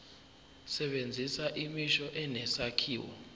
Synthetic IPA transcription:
sɛɓend͡zʱisaʔimiʃɔʔɛnɛsakʰiːwɔ̰

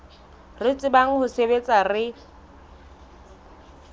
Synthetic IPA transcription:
rɪt͡sʼɪbaŋ̩hʊsebet͡sʼarɪ

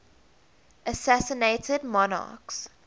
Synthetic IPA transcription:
ʔəsæsəneɪtʰədmɔnɑ̰ːˑks

